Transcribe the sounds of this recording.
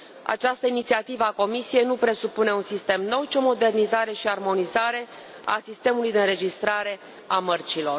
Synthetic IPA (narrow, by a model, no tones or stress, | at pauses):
a̰t͡ʃast̪əinit̪siat̪ivəako̞misije̞jnupɾe̞supune̞unsist̪e̞mno̞wt͡ʃio̞mo̞d̪e̞rnizaɾe̞ʃiarmo̞nizaɾe̞ | a̰sist̪e̞mulujd̪e̞ɨnɾe̞d͡ʒist̪ɾaɾe̞ | amərt͡ʃilo̞r